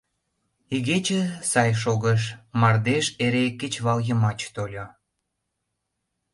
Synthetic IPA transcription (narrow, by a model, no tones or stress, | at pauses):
iɣet͡ɕĕsɑjʃ̬oɣəʃ̬mɑrd̪eʃeɾeket͡ɕβɑljə̆mɑt͡ɕt̪olʲo